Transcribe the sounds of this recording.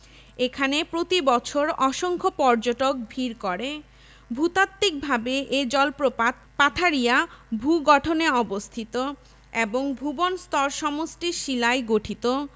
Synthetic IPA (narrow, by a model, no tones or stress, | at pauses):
ekʰanepɾot̪ibɔt͡ɕʰoɾɔʃoŋkʰopɔɾd͡ʑoʈok̚bʱiɾkɔɾe | bʱut̪at̪ːik̚bʱabeʔed͡ʑɔlpo | pat̪ʰaɾijabʱuɡɔʈʰoneɔbost̪ʰit̪o | eboŋbʱubonst̪ɔɾʃɔmosʈiʃilaeɡoʈʰit̪o